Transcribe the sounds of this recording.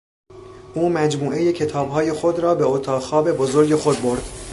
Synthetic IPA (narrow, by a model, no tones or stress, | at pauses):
ʔuːmæd͡ʒmuːʔe̞je̞cʰe̞t̪ʰɒːbɦɒːje̞xo̞d̪ɾɒːbe̞ot̪ʰɒːxɒːbe̞bozoɾɡe̞xo̞d̪̚bo̞ɾd̪̥